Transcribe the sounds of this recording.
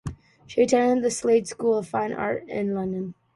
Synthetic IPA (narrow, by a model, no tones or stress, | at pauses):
ʃitʰɜ̃˞nɨ̃nðɨsleɪdskulˠʌv̥fãɪ̃nʔɑ̰ɹɾɪ̰̃nlʌ̃ndɨ̃n